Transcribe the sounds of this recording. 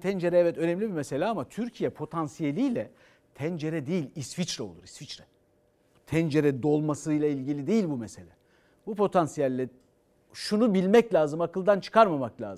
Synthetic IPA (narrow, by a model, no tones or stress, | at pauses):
t̪ʰɛnd͡ʒe̞ɾɛɛvɛt̪ø̞nɛmlʲibiɾmese̞lʲɛamat̪ʰyɾcʰijɛpʰo̞t̪ʰansijelʲijlʲɛ | t̪ʰænd͡ʒe̞ɾɛd̪ejilʲisfit͡ʃɾɛo̞lˠṵɾisfit͡ʃɾɛ | t̪ʰænd͡ʒe̞ɾɛd̪o̞lˠmasɯjlˠailʲɟilʲid̪ejilʲbumese̞lʲɛ | bupʰo̞t̪ʰansijælʲːɛ | ʃunubilʲmɛclʲaːzɯmakɯlˠd̪ant͡ʃʰɯ̥kʰaɾmamaklʲa̰ːzɯ